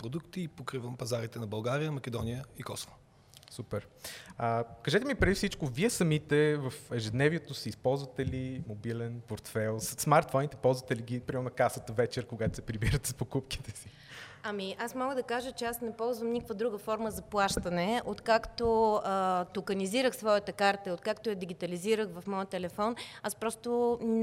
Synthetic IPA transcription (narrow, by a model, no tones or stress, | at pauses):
pɾod̪ukt̪iːpokɾivəmpɐzaɾit̪ɛnɐbɐlˠɡaɾijəmɐkʲɛd̪ɔnijəikɔsovo | supɛɾəkɐʒɛt̪ɛmipɾɛd̪ifsit͡ʃkoviɛsɐmit̪ɛvɐfɛʒɛd̪nɛviɛt̪osiispɔlˠzvɐt̪ɛlimobilɛnpoɾt̪fɛlˠsɐt̪smaɾt̪fɔnit̪ɛpɔlˠzvɐt̪ɛliɡʲipɾimɛɾnokasət̪əvɛt͡ʃɛɾkoɡat̪o̥sɛpɾibiɾət̪ɛ̥spokupki̥t̪ɛsi | ɐmiʔasmɔɡəd̪ɐkaʒət͡ʃɛasnɛpɔlˠzvəmnikəkvəd̪ɾuɡəfɔɾməzɐplˠaʃt̪ɐnɛot̪kakt̪oət̪okəniziɾəxsvɔjət̪əkaɾt̪əot̪̚kakt̪ojɐd̪iɡʲit̪ɐliziɾəxvɐfmɔjət̪ɛlɛfɔnaspɾɔst̪o